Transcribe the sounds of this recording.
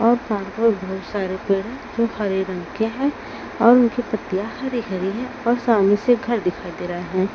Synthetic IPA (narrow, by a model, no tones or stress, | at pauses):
ɔːɾpãːɾkmẽbɐɦʊt̪saːɾepeːɽɦɛ̃d͡ʒoːxɐɾeɾɐ̃ŋkeɦɛ̃ | ɔːɾʊnkipɐt̪ːijaxɐɾixɐɾiɦɛ̃ | ɔːɾsaːmiseɡʱɐɾd̪ɪkʰaːid̪eːɾaeɦɛ̃ː